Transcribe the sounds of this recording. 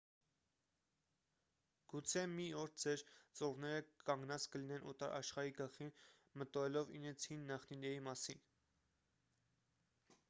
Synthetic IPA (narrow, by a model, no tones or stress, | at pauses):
ɡ̥ut͡sʰɛmiɔɾd͡zɛɾt͡sɔʁnɛɾəkɑŋɡnɑt͡skəlinɛnʔɔt̪ɑɾʔɑ̰ʃχɑɾiɡəχin | mət̪ɔɛlɔvḭnɛt͡sʰhinːɑχninɛimɑsin